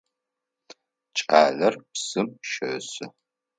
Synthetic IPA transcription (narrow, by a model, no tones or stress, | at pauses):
t͡ʃʼaːɮɐrpsɨmʃɐsɨ